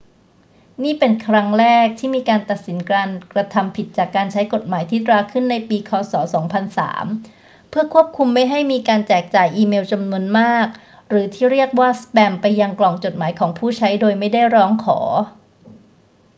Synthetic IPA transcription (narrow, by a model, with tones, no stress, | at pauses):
niː˥˩pe˧nkʰɾa˦˥ŋɾɛː˥˩k̚t̪ʰiː˥˩miː˧kaː˧nt̪a˨˩t̪̚si˩˦nkɾaː˧nkɾa˧t̪ʰa˧mpʰi˨˩t̪̚t͡ɕaː˨˩kːaː˧nt͡ɕʰa˦˥jko˨˩t̪̚maː˩˦jt̪ʰiː˥˩t̪ɾaː˧kʰɯ˥˩nːa˧jpiː˧kʰɔː˧sɔː˩˦sɔː˩˦ŋpʰa˧nsa̰ː˩˦m | pʰɯ˥˩əkʰu˥˩əp̚kʰu˧mːa˥˩jɦa˥˩jmiː˧kaː˧nt͡ɕɛː˨˩k̚t͡ɕaː˨˩jʔiː˧meː˧wt͡ɕa˧mnu˧ənmaː˥˩k̚ | ɾɯː˩˦t̪ʰiː˥˩ɾi˥˩ək̚waː˥˩spɛː˧mpa˧jːa˧ŋklɔː˨˩ŋt͡ɕo˨˩t̪̚maː˩˦jkʰɔː˩˦ŋpʰuː˥˩t͡ɕʰa˦˥jdoː˧jma˥˩jda˥˩jɾɔː˦˥ŋkʰɔ̰ː˩˦